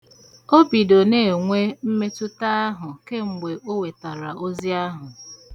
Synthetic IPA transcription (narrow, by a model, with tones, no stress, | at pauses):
o˦bi˨do˨ne˦˨ŋʷe˦m̩˦me˦tʊ˦ta˦a˦ɦʊ˨ke˦ŋ͡m̩˨ɡ͡be˨ʔo˦we˨ta˨ɾa˨ʔo˦zi˦a˦ɦʊ˨